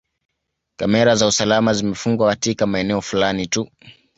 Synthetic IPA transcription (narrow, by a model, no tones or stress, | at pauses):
kamɛɾazausalamazimɛfuŋɡwakatikamaɛnɛɔfulanitu